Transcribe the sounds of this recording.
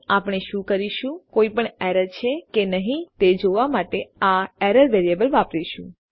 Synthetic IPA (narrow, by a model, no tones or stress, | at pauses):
apɽ̃eʃũkəɾiʃũkoipəɳɛɾəɾt͡ʃʰekenəɦĩt̪ed͡ʒoʋamaʈeaɛɾəɾʋeɾiebəlʋapɾiʃṵ̃